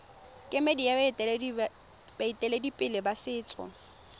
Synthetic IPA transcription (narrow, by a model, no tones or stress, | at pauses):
kʼɪmedija | b̥aitʼɛledipʼɪlɪbasɪːt͡sʼɔ̰